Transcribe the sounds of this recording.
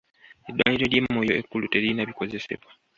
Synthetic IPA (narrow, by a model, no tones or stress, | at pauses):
edːwa̰ːɲiɾo̞ljemːojo̞ekːulute̞linaβiko̞ze̞se̞̰βwa